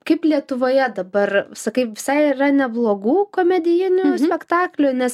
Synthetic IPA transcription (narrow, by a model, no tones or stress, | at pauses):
kɐɪplʲiɛt̪ʊʋoːjɛd̪ɐbɐrsɐkɐɪpʋʲɪsɐɪirɐnʲɛblˠoːɡuːkoːmʲɛd̪ʲɪjɪnʲʊsʲpʲɛkt̪ɑːklʲʊnʲɛs